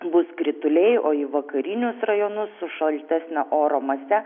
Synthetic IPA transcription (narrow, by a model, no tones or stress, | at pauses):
bʊskɾʲɪt̪ʊlʲɛɪoːiʋɐkɐɾʲɪnʲʊsrɐjoːnʊsːʊʃɐlʲt̪ʲæsʲnʲɛʔoːɾoːmɐsʲɛ